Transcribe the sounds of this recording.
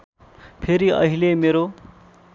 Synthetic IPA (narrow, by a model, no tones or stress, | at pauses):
pʰeɾiʌ̰ɦilemeɾo